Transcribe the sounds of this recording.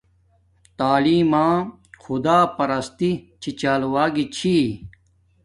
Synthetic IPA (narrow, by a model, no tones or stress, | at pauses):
t̪aːliːmãː | xud̪aːpɐɾɐst̪it͡ɕʰit͡ɕaːlwaːɡit͡ɕʰi